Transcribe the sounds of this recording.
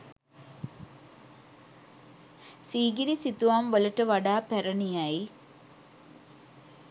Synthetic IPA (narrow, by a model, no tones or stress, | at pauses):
siːɡɐɾisit̪ːuʋaːmʋɐlɐʈːɐʋɐɽaːpeɾɐɳijaːji